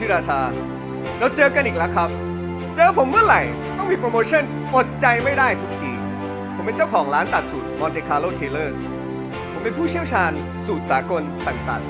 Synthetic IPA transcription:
iː˦˥˩ɾaː˧t͡ɕʰaː˧ | ɾɛ˧wt͡ɕɤː˧ka˧nʔiː˨˩k̚lɛ˦˥kʰɾa˦˥p̚ | t͡ɕɤː˧pʰo˩˦mːɯ˥˩ɐɾa˨˩˦j | t̪ɔ˥˩ŋmiː˧pɾoː˧moː˧t͡ɕʰɤ˥˩n | ʔo˨˩t̪̚t͡ɕa˧jma˥˩jdaː˥˩jt̪ʰu˦˥k̚t̪ʰiː˧ | pʰo˩˦mpe˧nt͡ɕaː˥˩wkʰɔː˩˦ŋɾaː˦˥nt̪a˨˩t̪̚su˨˩t̪̚mɔː˧nt̪eː˧kʰaː˧loː˥˩t̪ʰeː˧lɤː˥˩s | pʰo˩˦mpe˧npʰuː˥˩t͡ɕʰi˥˩əwt͡ɕʰaː˧n | suː˨˩t̪̚saː˩˦ko˧nsa˨˩ŋt̪a̰˨˩t̪̚

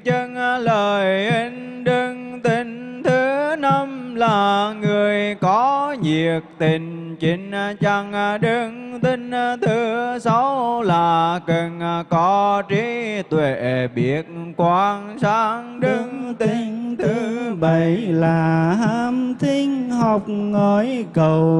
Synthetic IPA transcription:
t͡ɕə˧ŋ˧ləː˨˩jʔə˨˦nɗɨ˧ŋt̪i˧˨˩ŋ̟ | t̪ʰɨ˨˦na˧mlaː˨˩ŋɨ˨˩əjkɔ˨˦ɲi˨˩ək̚t̪ï˨˩ŋ̟t͡ɕi˨˦ŋ̟˧t͡ɕa˧ŋ˧ɗɨ˧ŋt̪i˧ŋ̟˧t̪ʰɨ˨˦sa˧˦wlaː˨˩kə˨˩nkɔ˨˦t͡ɕi˧˦t̪we˧˨˩ʔɓi˨˩ət̚kwaː˧˦ŋsaː˨˦ŋɗɨ˧ŋt̪i˧ŋt̪ʰɨ˨˦ɓə˨˧˦jlaː˨˩ɦaː˧˥mt̪i˧ŋhɔ˨˩wk͡p̚ŋɔ˧˩jkə˨˩w

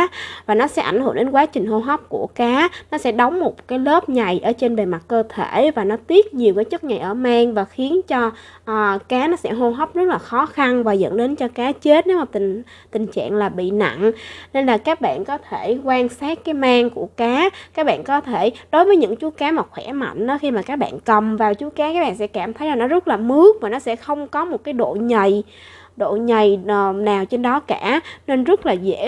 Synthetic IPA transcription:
vaː˨˩nɔ˨˦sɛ̰˧˥ʔa˧˩jŋ̟hṵ˧˩˨ɗe˨˦nkwaː˨˦t͡ɕï˨˩ŋ̟ɦo˧ɦə˦˥wp̚ku˧˩əkaː˨˦nɔ˨˦sɛ̰˧˥ɗə˨˦wŋ͡mmo˨˩t̚kaː˨˦jlə˦˥p̚ɲa˨˩jʔəː˧˩t͡ɕe˧nɓe˨˩ma˨˩t̚kəː˧t̪ʰe˧˩˨vaː˨˩nɔ˨˦t̪i˦˥ət̚ɲi˨˩əwkaː˨˦jt͡ɕɨ˦˥t̚ɲa˨˩jʔəː˧˩maː˧ŋvaː˨˩xi˨˦ənt͡ɕɔː˧˨˩ | kaː˨˦nɔ˨˦sɛ̰˧˥ɦo˧ɦə˦˥wp̚zə˦˥t̚laː˨˩xɔ˨˦xa˧nvaː˨˩zə̰˧˥ŋɗe˨˦nt͡ɕɔ˧kaː˨˦t͡ɕe˦˥t̚ne˨˦wmaː˨˩t̪i˨˩ŋ | t̪ï˨˩ŋ̟t͡ɕa̰ː˧˨ŋlaː˨˩ɓḭ˧˨na̰˧˨ŋne˧nlaː˨˩kaː˦˥k̚ɓa̰ː˧˨nkɔ˨˦t̪ʰe˧˩kwaː˧ŋsaː˦˥k̚kaː˨˦jmaː˧ŋku˧˩əkaː˨˦kaː˦˥k̚ɓa̰ː˧˨nkɔ˨˦t̪ʰe˧˩ɗo˨˦jvəː˨˦jɲɨ̰˧˥ŋt͡ɕu˨˦əkaː˨˦maː˨˩xwɛ˧˩ma̰˧˨jŋ̟ɗɔ˨˦xi˧maː˨˩kaː˦˥k̚ɓa̰ː˧˨nkə˨˩mvaː˨˩wt͡ɕu˨˦kaː˨˦kaː˦˥k̚ɓ̰ːnsɛ̰˧˥kaː˧˩mt̪ʰə˨˦jzaː˨˩nɔ˨˦zə˦˥t̚laː˨˩mɨ˨˦˥ək̚maː˨˩nɔ˨˦sɛ̰˧˥xə˧wŋ͡mkɔ˨˦mo˨˩t̚kaː˨˦jɗo̰˧˨ɲə˨˩j | ɗo̰˧˨ɲə˨˩jnaː˨˩wt͡ɕe˧nɗɔ˨˦kaː˧˩˨ne˧nzə˦˥t̚laː˨˩zḛ˧˥

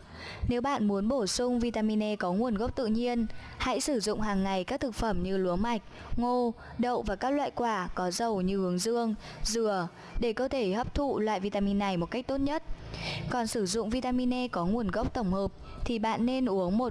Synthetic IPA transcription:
ne˨˦wɓa̰ː˧˨nmu˨˦ənɓo˧˩sʊ˧ŋ͡mvi˧t̪aː˧mi˧nɛ˧kɔ˨˦ŋu˨˩ənɣə˦˥wk͡p̚t̪ɨ̰˧˨ɲi˧ən | ha̰˧˥jsɨ˧˩zʊ̰˧˨ŋ͡mɦaː˨˩ŋːa˨˩jkaː˦˥k̚t̪ʰɨ˨˩k̚fə˧˩mɲɨ˧lu˨˦ənma˨˩jk̟̚ | ŋo˧ | ɗə̰˧˨wvaː˨˩kaː˦˥k̚lwa̰ː˧˨jkwaː˧˩kɔ˨˦zə˨˩wɲɨ˧hɨ˨˦əŋzɨ˧əŋ | zɨ˧˩ə | ɗe˧˩kəː˧t̪ʰe˧˩həː˦˥p̚t̪ʰṵ˧˨lwa̰ː˧˨jvi˧t̪aː˧mi˧nːa˨˩jmo˨˩t̚ka˦˥k̟̚t̪o˦˥t̚ɲə˦˥t̚kɔ˨˩nsɨ˧˩zʊ̰˧˨ŋ͡mvi˧t̪aː˧mi˧nɛ˧kɔ˨˦ŋu˨˩ənɣə˦˥wk͡p̚t̪ə˧˩wŋ͡mhəː˨˩p̚ | t̪ʰi˨˩ɓa̰ː˧˨nːe˧nʔu˨˦əŋmo˨˩t̚

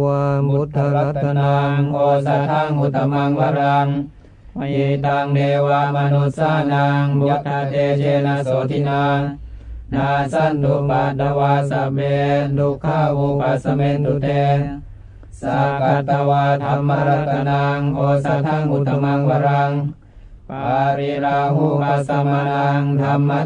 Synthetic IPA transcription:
u˧t̪ʰːa˧a˦˥t̪ʰːa˧naː˧ŋʔoː˧sa˧t̪ʰa˥˨ŋmu˧t̪̚ʰːa˧ma˧ŋwa˧˥˨ɾa˧ŋ | ʔi˧˩t̪aː˧ŋneː˧waː˧ma˧nu˧t̪̚saː˥˩naː˧ŋbu˧ka˧t̪eː˧t͡ɕeː˧naː˧soː˨˦t̪ʰi˧naː˧ | naː˧sa˥˩˨nt̪u˧pa˨˩t̪̚d̪a˧waː˧sa˨˦beː˧lu˧kʰːaː˥˩˨wu˧pa˨˩t̪̚sa˧me˧nt̪u˧t̪eː˧ | sa˨˦ka˧a˧waː˧t̪ʰa˧mːa˦˥ɾa˧t̪ʰːa˧naː˧ŋʔoː˧sa˧t̪ʰa˥˨ŋʔu˧˩t̪ʰːa˧ma˧ŋba˧ɾa˧ŋ | pa˧ɾi˧ɾaː˧ɦu˥˩pa˧sa˧ma˧naː˧ŋt̪ʰa˧mːa˦˥

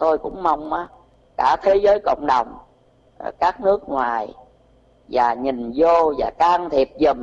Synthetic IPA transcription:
t̪o˧jkʊ̰˧˥ŋ͡mma˧wŋ͡mʔaː˨˦ | kaː˧˩t̪ʰe˨˦zəː˨˦jkə̰˧˨wŋ͡mɗə˨˩wŋ͡m | kaː˦˥k̚nɨ˦˥ək̚ŋwaː˨˩j | vaː˨˩ɲi˨˩ŋzo˧vaː˨˩kaː˧ŋt̪ʰi˨˩əp̚zə˨˩m

